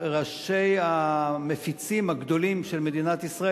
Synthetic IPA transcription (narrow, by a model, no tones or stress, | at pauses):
ʁaʃejamefit͡simhaɡd̪o̞limʃelmed̪inat̪isʁa